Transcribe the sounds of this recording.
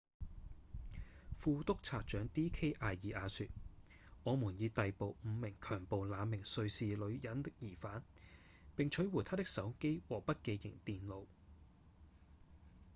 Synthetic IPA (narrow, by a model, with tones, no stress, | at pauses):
fuː˧t̪ʊ˥k̚t͡sʰaː˧˩k̚t͡ʃœː˨˥ŋt̪iː˥kʰe˥jʔaː˨˧jiː˨˧ʔaː˨˧sy˧t̚ | ŋɔː˨˧muː˨˩njiː˨˧t̪ɐ˨jpo˨wm̩˨˧mɪ˨˩ŋkʰœː˨˩ŋpo˨wlaː˨˧mɪ˨˩ŋsɵ˧ɥsiː˨lɵ˨˧ɥjɐ˨˥nt̪ɪ˥k̚jiː˨˩faː˨˥n | pɪ˨ŋt͡ʃʰɵ˨˥wuː˨˩jt̪ʰaː˥t̪ɪ˥k̚sɐ˨˥wke˥jwɔː˨pɐ˥t̚ke˧jjɪ̰˨˩ŋt̪iː˨nlo˨˧w